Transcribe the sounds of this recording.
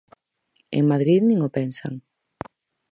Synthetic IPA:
ḛŋmaðɾiðnĩŋʊpɛnsa̰ŋ

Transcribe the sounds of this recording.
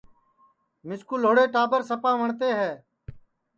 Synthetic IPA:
mɪskuloːɽeːʈaːbəɾsəpãːʋəɳt̪eːɦɛː

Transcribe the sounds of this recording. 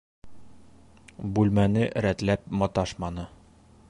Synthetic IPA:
bʉlmænɘʔɾæt̪læp̚mɒt̪ɑʃmɑnɤ

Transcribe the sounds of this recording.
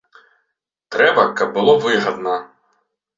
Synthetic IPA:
t̪ɾɛbɐkɐb̚bʊlˠɔʋɪɦɐd̪nɐ

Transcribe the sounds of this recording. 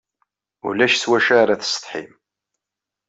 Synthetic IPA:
ṵlæʃθwæʃaɾaθə̥sˤt̪ˤħḭm

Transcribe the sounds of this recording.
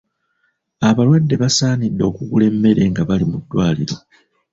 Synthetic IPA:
aβalwadːe̞βasaːnidːo̞ːkuɡule̞mːe̞ɾe̞ŋɡaβalimudːwaːliɾo̞

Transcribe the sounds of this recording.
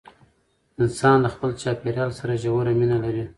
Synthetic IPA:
ɪnsɑnlaxpəlt͡ʃɑpeɾjɑlsaɾaʒawaɾaminalaɾi

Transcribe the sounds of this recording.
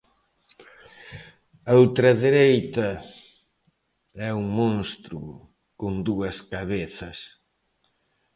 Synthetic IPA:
ɐowt̪ɾɐðeɾejt̪ɐ | ɛuŋmõnst̪ɾu | kond̪uɐskaβeθɐs

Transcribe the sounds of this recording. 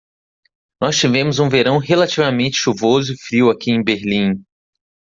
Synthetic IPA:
nɔst͡ʃivẽmʊzũveɾɐ̃w̃ɦelat͡ʃivamẽnt͡ʃɪ̥ʃuvozʊɪfɾiwakiẽj̃beɾlĩ

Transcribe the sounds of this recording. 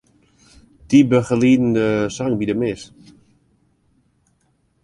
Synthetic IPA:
tibəχəliːdn̩dəsaŋbidəmɪs

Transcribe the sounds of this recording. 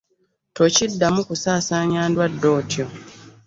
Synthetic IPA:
to̞cidːamukusaːsaɲaːndwadːo̞ːtjo

